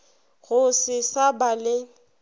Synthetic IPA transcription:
ɣʊsɪsabalɪ

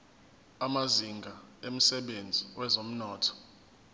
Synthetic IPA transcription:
amaziŋɡʱaem̩sɛɓend͡zʱiwɛzom̩nɔːtʰɔ̥

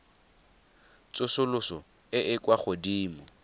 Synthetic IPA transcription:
t͡sʼʊsʊlʊsɔ | ɪʔɪkʼwaχʊdiːmɔ

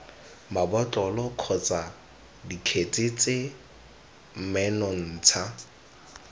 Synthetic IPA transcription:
mabɔt͡ɬʼɔlɔkʰɔt͡sʼa | dikʰet͡sʼɪt͡sʼe | m̩mɛnɔn̩t͡sʰa

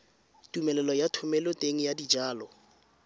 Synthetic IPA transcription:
tumɛlɛlɔjatʰʊmɛlʊtʼeŋ̩jadid͡ʒaːlɔ

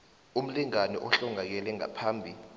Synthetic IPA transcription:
um̩liŋanɔ̰ʔɔɬuŋak̬ɛlɛŋa̰pʰaːmbʱi

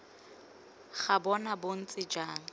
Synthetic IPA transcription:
χabɔnabon̩t͡sʼɪd͡ʒaːŋ̩

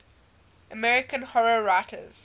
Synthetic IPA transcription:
əmɛɹɪkə̃nhɔɹəɹaɪtʰə̰z̥

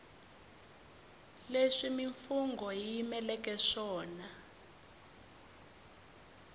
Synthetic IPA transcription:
leʂimiɱfuŋɡʱɔjimɛlɛk̬ʼɛʂɔːna

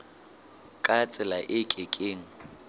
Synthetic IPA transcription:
kʼat͡sʼɪlaʔɪkʼɪkʼeːŋ̩

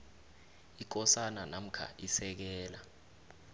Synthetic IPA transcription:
ik̬ʼɔsananam̩kʰa̰ʔisɛk̬ɛːla

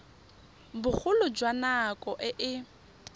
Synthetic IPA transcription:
bʊk͡xʰʊlʊd͡ʒwanakʼɔʔɪʔɪ

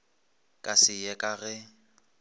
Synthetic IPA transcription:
kʼasɪjɛkʼaɣɛ

